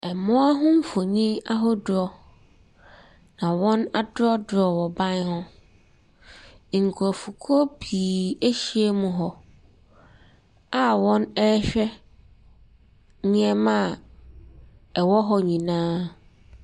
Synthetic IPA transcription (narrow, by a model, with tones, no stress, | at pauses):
ɛ˨mʊ̃˦a˦ɦʊ̃˦m̩˦fo˨ɲĩ˦a˦ɦɔ˦dʊ˦ɔ˨˦ | nã˨wɔ̃˦na˦dʊ˦ɔ˦dʊ˨ɔ˨wɔ˨bã˦n˦hʊ̃˦˨ | ŋ̩˨kʰu˨ɔ˨fu˨kʰɔ˦biː˨e˦ɕi˦e˦mũ˨ɦɔ˨ | a˦wɔ̃˦nɛ˦ɕᶣɛ˦ | ɲĩ˦ɛ˦mã˨ | ɛ˨wɔ˦ɦɔ˨ɲĩ˨nãː˦